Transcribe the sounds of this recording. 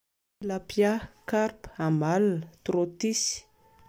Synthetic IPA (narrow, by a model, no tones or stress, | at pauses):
lapjakarpamalnət̪ɾot̪isi̥